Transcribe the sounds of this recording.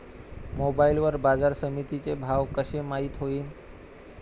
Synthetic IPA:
mobailʋəɾbad͡zaɾsəmit̪it͡sebʱaʋkəɕemaɦit̪ɦoiːn

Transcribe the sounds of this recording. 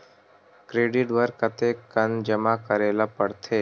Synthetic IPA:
kɾeːɖɪʈʋəɾkət̪ekənd͡ʒəmakəɾeːlapəɽt̪ʰeː

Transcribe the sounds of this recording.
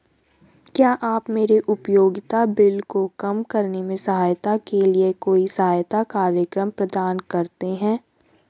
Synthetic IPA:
kjaːʔaːpmeːɾeʔʊpjoːɡɪt̪abɪlkokɐmkɐɾnemẽsɐɦaːjt̪akeliekoːisɐɦaːjt̪akaːɾjəkɾəmpɾɐd̪aːnkɐɾt̪eɦɛ̃ː

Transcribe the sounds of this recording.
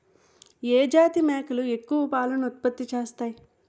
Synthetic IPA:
eːd͡ʒaːt̪imeːkɐlue̞kːuʋɐpaːlɐnɐut̪̚pɐt̪ːit͡ʃeːst̪aːji

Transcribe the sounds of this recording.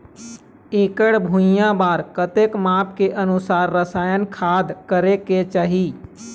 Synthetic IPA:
eːkəɽbʱũjãbaːɾkət̪eːkmaːp̚keʔənʊsaːɾːəsaːjənkʰaːd̪ʱkəɾeket͡ʃaːɦiː

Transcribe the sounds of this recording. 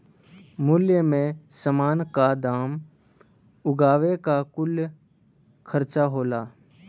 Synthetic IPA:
mʊljəmẽsəmaːnkad̪aːm | ʊɡaːʋekakʊlj | kʰəɾt͡ʃaɦoːlaː

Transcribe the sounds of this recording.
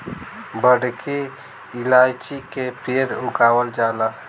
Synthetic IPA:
bəɽki | ɪlaːjt͡ʃikepʰeɾʊkaːwəld͡ʒaːla

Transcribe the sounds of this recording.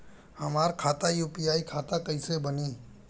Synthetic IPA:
hɐmaːɾkʰaːt̪ajuːpijaːikʰaːt̪akɐisebɐniː

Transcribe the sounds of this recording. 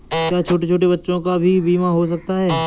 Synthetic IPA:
kjaːt͡ʃʰoːʈet͡ʃʰoːʈebɐtːʃõkabʱibiːmaɦos̬ɐk̚t̪aɦɛː

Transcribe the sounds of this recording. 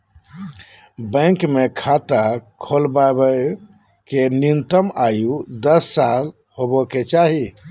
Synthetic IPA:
bə̃ŋkmekʰat̪akʰolbabə | kenint̪əmajud̪əsːal | hobɔket͡ʃaɦi

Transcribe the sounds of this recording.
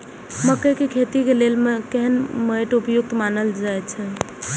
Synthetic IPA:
məkəkekʰet̪ikelelmekɛɦənməjʈupjʊk̚t̪manəld͡ʒaet͡ʃʰɛ

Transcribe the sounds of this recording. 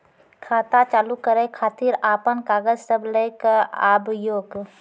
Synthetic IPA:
kʰaːt̪at͡ʃaːlukəɾekʰaːt̪iːɾaːpənkaːɡəd͡ʒsəbləjkaaːbʱjoːɡ

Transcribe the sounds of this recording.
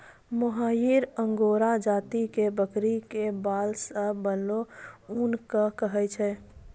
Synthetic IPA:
məɦajiɾəŋɡoɾad͡ʒaːt̪ikebəkɾikebalsəːənlounkəkəɦɛt͡ʃʰɛ

